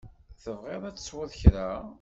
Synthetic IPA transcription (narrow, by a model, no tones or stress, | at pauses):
θəvʁeðˤæt͡sːə̥swʊðˤçɾæ